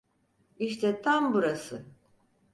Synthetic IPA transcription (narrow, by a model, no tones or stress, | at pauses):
iʃt̪ʰɛt̪ʰambuɾasɯ